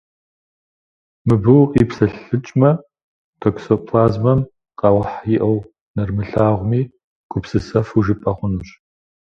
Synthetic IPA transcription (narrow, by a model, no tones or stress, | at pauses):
mɨbɨwqʼiːpsɐɬɨt͡ʃʼmɐ | tʰoksopʰlaːzmɐm | qɑwħjiʔɐw | nɐrmɨɬaːʁʷʊmiː | ɡ̥ʷʊpsɨsɐfuʒɨpʼɐʁʷʊnuɕ